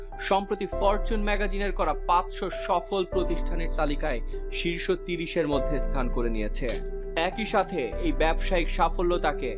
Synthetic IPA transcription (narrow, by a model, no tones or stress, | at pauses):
ʃɔmpɾot̪ifɔɾt͡ɕunmɛɡad͡ʑineɾkɔɾapãt͡ɕʃoʃɔfolpɾot̪iʃʈʰaneɾt̪alikaeʃiɾʃot̪iɾiʃeɾmod̪ʱːest̪ʰankoɾenijet͡ɕʰe | ɛkiʃat̪ʰeejbɛbʃaikʃafolːot̪ake